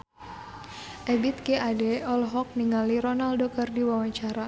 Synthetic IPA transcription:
ʔɛbit̪̚keadɛɔlɦɔk̚niŋaliɾɔnaldokərdiwawaɲt͡ʃaɾa

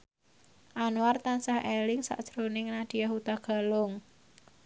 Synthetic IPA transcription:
ʔanuwart̪ansahelɪŋsa̰ʔd̥ʒ̥ɾonɪŋnad̪̥ijaɦut̪aɡ̥a̤lʊŋ

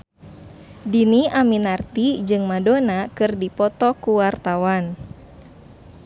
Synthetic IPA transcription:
diniaminart̪id͡ʒɨŋmadonakɨrdipɔt̪ɔkuwart̪awan

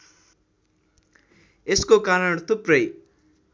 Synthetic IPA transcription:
eskokaɾʌɳt̪uprʌj

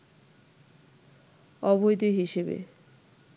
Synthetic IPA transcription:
ɔbojd̪iɦiʃebḛ

